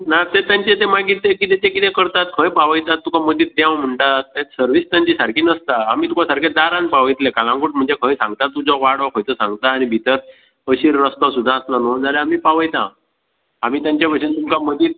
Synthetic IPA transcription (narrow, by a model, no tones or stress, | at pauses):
nat̪et̪jaɲt͡ɕet̪ẽmaɡit̪ekit̪ẽt̪ẽkit̪ẽkəɾt̪at̪̚kʰə̃jpaʋəjt̪at̪ːukʰaməd̪iːt̪̚d̪jãwm̤əɳʈaesəɾʋist̪jaɲt͡ɕisaɾkʰiːnəst̪aːmiːt̪ukʰasaɾkʰẽd̪aɾãnpaʋəjt̪lekalãŋɡuʈm̤əɳd͡zekʰə̃j̃sãŋɡt̪at̪ːud͡zɔʋaɽɔkʰojt̪əsãŋɡt̪aːñibʱit̪əɾ | əɕiːɾːəst̪ɔsud̪ʱːãːslanond͡zaleamiːpaʋəjt̪ã | amiːt̪jãɲt͡ɕapəɕent̪umkʰaməd̪iːt̪̚